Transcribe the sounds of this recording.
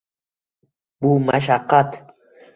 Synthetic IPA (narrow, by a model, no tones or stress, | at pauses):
buma̰ʃɑqːɑt̪